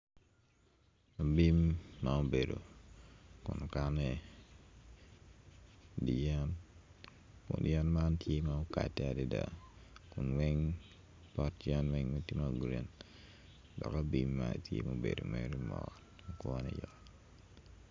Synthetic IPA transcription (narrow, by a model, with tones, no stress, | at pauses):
a˨bi˦mːao˦be˨do˨ | kʊ˨no˨ka˦nɛ˨ | dija˦n | kʊ˨ndija˦nma˦ntje˦mao˦ka̰˨tːɛ˦a˨di˦da˨kʊ˨nwɛ˦ŋ | pɔ˦td͡ʒja˦nwɛ˦ŋmɛ˦ti˦maɡuɾe˨n | dɔ˨ka˦bi˦mːa̰tʰjḛ˦ma˨bḛ˨do˨me˦ɾi˦mɔ̰ɡɔ | kwɔnɛ̰jɔ